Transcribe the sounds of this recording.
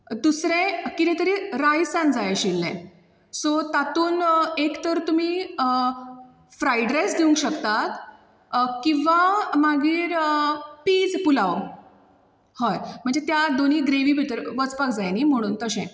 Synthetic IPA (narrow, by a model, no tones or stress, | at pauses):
d̪usɾẽkit̪ɛ̃t̪əɾiɾajsãnd͡zajɕilːḛ̃ | sot̪at̪uːnekt̪əɾt̪um̤iː | fɾajɖɾesd̪iũŋkɕəkt̪at̪ | kĩʋamaɡiːɾəpiːd͡zpulaw | hɔjm̤əɳd͡zet̪jad̪oniːɡɾeʋiːbʱit̪əɾʋət͡spakd͡zajniːm̤əɽ̃uːnt̪əɕɛ̃